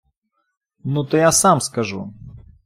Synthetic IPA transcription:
nut̪ɔjasamskɐʐṵ

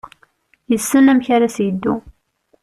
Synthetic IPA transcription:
jəsːənæmçaɾasjəd̪ːṵ

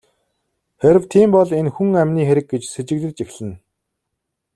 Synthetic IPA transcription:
xeɾɘ̆wt̪ʰiːmpɔɮenxuŋæmʲniːxeɾɘ̆k̚ɡet͡ɕset͡ɕɪ̆kɮɘ̆kt͡ɕexɮɘ̆n

